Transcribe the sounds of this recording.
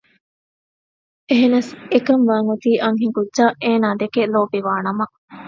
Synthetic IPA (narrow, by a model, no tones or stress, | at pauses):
eɦenɐsekɐmʋaːŋut̪iːʔɐŋɦiŋkudːʒaːʔeːnaːd̪ekeloːbiʋaːnɐmɐ